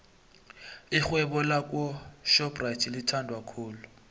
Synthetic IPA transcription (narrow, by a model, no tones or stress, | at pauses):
ɪχwɛbɔlakʼwɔʃɔpraitʰilɪtʰandʱwakʰʊːlʊ